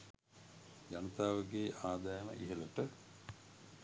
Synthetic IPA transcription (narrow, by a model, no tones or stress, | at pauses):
janut̪aːʋəɡeːʔaːd̪ajəmə̰ʔiɦeləʈə